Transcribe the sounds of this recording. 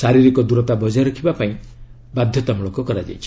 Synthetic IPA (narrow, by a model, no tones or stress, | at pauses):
saɾiɾikɔd̪uɾɔt̪abɔd͡ʒajɾɔkʰibapaĩ | bad̪ʱjɔt̪amɭokɔkɔɾad͡ʒa̰jt͡ʃʰi̥